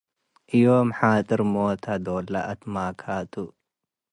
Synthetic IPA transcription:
ʔɨjomħat̪ʼɨɾmot̪ʰad̪olaʔɐt̪makʰat̪ʰu

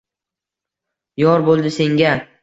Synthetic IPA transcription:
jɒɾbolˠd̪ɪse̞ŋɡʲa

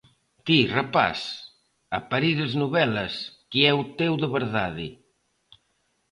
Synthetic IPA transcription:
t̪irapa̰s | apaɾiðəznuβɛlɐskiɛut̪ewðəβəɾðaðḭ

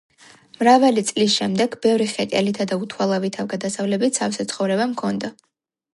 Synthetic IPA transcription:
mɾavalit̪sʼlis̬ʃɛmd̪ɛɡbɛvɾiχɛk̪ʼɛlit̪ʰad̪aut̪ʰwalˠavit̪ʰavɡad̪asavlɛbit̪sʰafsɛt̪sʰχɔvɾɛbamkʰɔnd̪a

